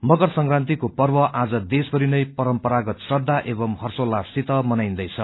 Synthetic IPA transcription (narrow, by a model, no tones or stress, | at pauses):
mʌɡʌrsʌŋkrant̪ikopʌrbʌʔad͡zʌd̪esbʌɾinʌjpʌɾʌmpʌɾaɡʌt̪sʌd̪ːaʔebʌmhʌrsolːabsit̪ʌmʌnajnd̪ʌjt͡sʰʌ